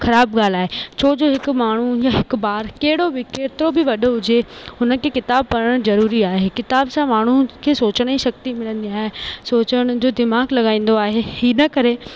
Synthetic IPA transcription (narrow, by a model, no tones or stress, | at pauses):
xɐɾaːbɠaːl̤aːɦet͡ɕʰoːd͡ʑoːɦɪkʊmaːɳ̤ujaːɦɪkbaːɾkɐɦɪɽobɪkeːɾt̪ɾobɪʋɐɗʱoɦʊd͡ʑeʊnəkʰeːkɪt̪aːb̚pɐɾəɽ̃zɐɾuːɾiaːɦekɪt̪aːbsãmaːɳ̤ukʰeːsoːt͡ɕəɽ̃iʃɐk̚t̪imɪlə̃nd̪iaːɦesoːt͡ɕəɽ̃ʊ̆d͡ʑoːd̪ɪmaːɡlɐɠaːĩːn̆d̪oaːɦehiːnɐkɐɾe